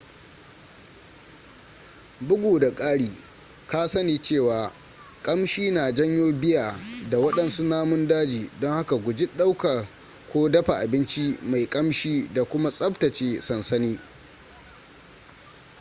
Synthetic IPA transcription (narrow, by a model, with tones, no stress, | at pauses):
bʊ˦ɡʷoː˨da˨kʼaː˦ɽiː˨ | kaː˦sɐ˦niː˨t͡ʃeː˦˨waː˨ | kʼɐ˦mʃiː˦naː˨d͡ʒɐ˦ɲjoː˦bɪ˦jaː˨da˨wɐ˦ɗɐ˨nsu˦naː˦mʊ˦ndaː˦d͡ʒiː˨dɔ˦ŋha˦ka˨ɡʷʊ˨d͡ʒɪ˦ɗa˦wka˨ | kʷoː˦dɐ˦ɸa˨ʔa˨bɪ˦nt͡ʃi˦ma˨jkʼɐ˦mʃiː˦da˨kʷʊ˦ma˦sʼɐ˦ptɐ˨t͡ʃeː˨sɐ˨nsɐ˦niː˦